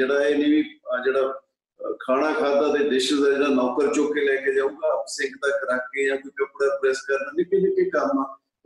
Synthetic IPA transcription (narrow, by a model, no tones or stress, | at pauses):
d͡ʒeːɽaːeːnĩːʋiːd͡ʒeːɽaː | kʰaːɽ̃aːkʰaːd̪aːd̪eːd̪eʃəzaːd͡ʒeːɽaːnɔːkəɾt͡ʃoːkelɛːkeːd͡ʒaːũːɡaːpsɪ̃ŋɡd̪aːkəɾaːkeːjãːkiːkəpːɽaːpɾɛːskəɾd̪aːnĩːkid͡ʒekekəmaː